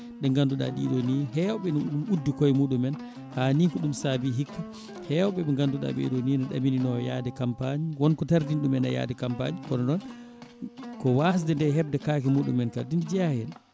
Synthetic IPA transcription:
ɗɛŋɡanduɗa̰ɗḭɗoniɦɛwɔɓɛnimudːikɔjmuːɗumɛn | hanikɔɗumsabiɦikːa | hɛwɔɓɛɓɛŋɡanduɗa̰ɓɛ̰ɗoninɔɗa̰mininɔja̰ːdɛkampaɲiwɔnkɔtaɾdinɗumɛna̰ja̰ːdɛkampa̰ɲikɔnɔnɔn | kɔwas̬dɛndɛɦɛb̚dɛkaːkɛmuːɗṵmːɛnkadindid͡ʒahɛn

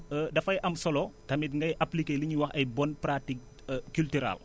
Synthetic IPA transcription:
dɐfɐjʔɐmsɔlɔtɐmit̬ŋɡɐjʔɐplikeliɲuwɐxɐjbɔnpɾatik̚ | kːyltyɾa̰l

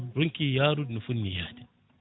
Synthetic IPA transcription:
ɾuŋkijaːɾud̪nufunːijaːd̪i̥

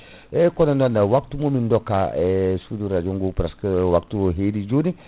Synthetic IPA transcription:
ɛkɔnanɔnːawak̚tumomindɔkːaɛsuduɾad͡ʒuŋɡupɾaskwak̚tuɦedid͡ʒoni

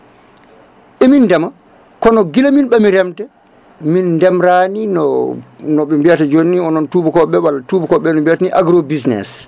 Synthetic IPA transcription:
ɓɛminːdɛma | kɔnɔɡilaminɓamiɾɛmtɛ | minːdɛmɾaninɔnɔɓɛmbijatad͡ʒonːiɔnɔntubukɔɓɛwalatuːbukɔɓɛnɔmbijataniʔaɡɾobisnɛ̰s

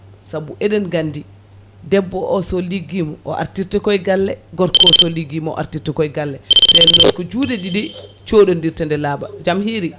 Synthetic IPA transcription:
sabuʔɛɗɛnɡandi | dɛbːɔʔɔsɔliɡːimɔʔɔʔa̰ɾtiɾtɛkɔjɡalːɛɡɔɾkɔɔsɔliɡːimɔɔ̰ʔa̰ɾtiɾtɛkɔjɡalːɛdɛnːɔkɔd͡ʒudɛɗidit͡ʃoɗɔndiɾtɛndɛlaːbad͡ʒamhiɾi

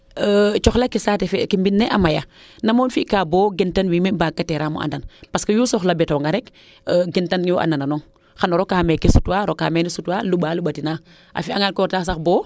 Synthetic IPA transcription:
ət͡ʃɔxlakisatɛfɛkimbinːɛʔamaja | nɐmonfikabɔːɡɛntanwiːmimbaːkːatɛɾamṵʔa̰ndanpaskəjuːsɔxlabɛtɔŋɡaɾɛkː | ɡɛntanŋiwoʔa̰ndananɔːŋ | xanoɾɔkaːmɛkisutwaɾoka̰ːmɛnisutwalubaːlubatina | ʔa̰fiaŋalkɔɾtas̬axbɔː

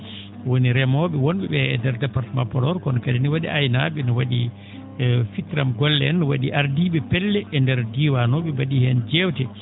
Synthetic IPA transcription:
woniɾɛmɔɓɛwonɓɛɓɛɛdɛɾdɛpaɾtmapɔlɔɾkɔnɔkadiniwaɗiʔajnaɓɛnɔwaɗi | fitɾamɡɔlːɛnɔwaɗiʔaɾdiɓɛpɛlːɛʔːndɛɾdiwanɔɓɛbaɗihɛnd͡ʒɛwtɛ

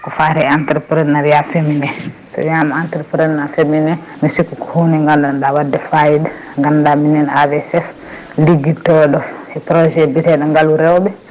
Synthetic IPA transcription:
kɔfaɾɛantɛɾpɾɛdnaɾjafeminɛsɔ̰jamaantɛɾpɾɛdnafeminɛ | misikːukɔhunɛŋɡandandawadːɛfajid | ŋɡandaminɛnavɛsɛf | liɡitɔɗɔɛpɾɔd͡ʒɛbiɾɛɗɔŋɡaluɾɛwbɛ

